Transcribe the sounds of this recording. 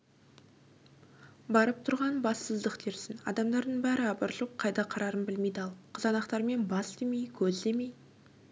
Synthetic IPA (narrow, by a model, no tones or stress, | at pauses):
bɑɾəp̚t̪ʰʊɾʁɑnbɑsːəzd̪əqt̪ʰeɾsɪnɑ̰d̪ɑmd̪ɑɾd̪əɴbæɾɪɑbəɾʒoq̚qʰːɑjd̪ɑqʰɑɾɑɾənbɪlmejd̪ɑlˠqʰəzɑnɑqt̪ɑɾme̞nbɑsd̪e̞me̞jkʲʰɵzd̪e̞me̞j